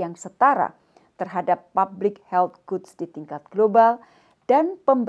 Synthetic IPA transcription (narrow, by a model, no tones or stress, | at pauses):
jaŋsət̪aɾa̰ | t̪ərɦadapːablɪk̚hɛlt̪̚ɡ̥ut̪sdit̪iŋkat̪̚ɡ̥lobal | d̥anpəmb